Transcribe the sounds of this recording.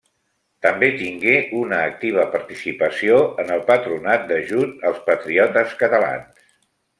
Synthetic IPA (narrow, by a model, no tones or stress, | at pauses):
t̪əmbet̪iŋɡeʔunəːk̚t̪iβ̞əpəɾt̪isipəsioənəlˠpət̪ɾunat̪̚d̪əʒut̪əlˠspət̪ɾiɔt̪əskət̪əla̰ns